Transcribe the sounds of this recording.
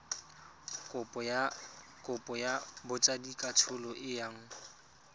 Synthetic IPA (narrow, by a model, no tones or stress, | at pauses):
kʼʊ | kʼʊpʼɔjabʊt͡ʃʼadikʼatʰʊlɔʔɪjaŋ̩